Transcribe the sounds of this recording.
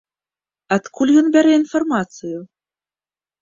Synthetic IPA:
at̪kʰulʲjɔnbʲaɾɛinfarmat̪sɨju

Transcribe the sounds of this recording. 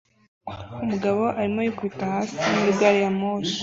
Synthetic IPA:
umuɡaβo̞ʔaɾimojukwitahaːsimuiɡaːɾijamoːʃi̥

